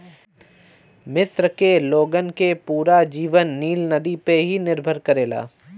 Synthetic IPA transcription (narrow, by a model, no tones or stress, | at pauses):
mɪsɾkeloːɡənkepuːɾad͡ʒiːʋənːiːlnɐd̪ipeɦinɪɾbʱəɾkəɾeːla̰ː